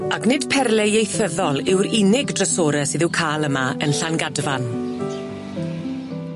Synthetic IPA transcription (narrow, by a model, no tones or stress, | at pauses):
aknɪd̥pʰɛrlɛjejθəðɔlˠɪwɾɪnɪɡdrəsoːɾɛsɨːðɪwkʰaːlˠəmaənɬanɡadvan